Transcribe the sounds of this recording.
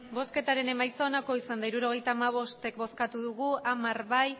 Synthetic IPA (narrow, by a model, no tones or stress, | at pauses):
bo̞ske̞t̪aɾe̞ne̞majt͡soːnako̞isand̪aiɾuɾo̞ɣ̞e̞jt̪aːmaβ̞o̞st̪e̞k̚bo̞skat̪uðuɣ̞uamaɾβaj